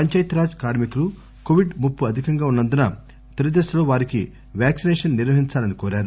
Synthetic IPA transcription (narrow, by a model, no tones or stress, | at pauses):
pɐɲt͡ʃɐjit̪ɾaːd͡ʒkaːɾmikulu | koʋiɖmupːuɐd̪ʱikɐŋɡaːunːɐnd̪unɐ | t̪eɾid̪eːʃɐloːʋaːɾiki | ʋjaːksinɛːʂɐnːiɾʋɐɦiɲt͡ʃaːlɐnikoːɾaːɾu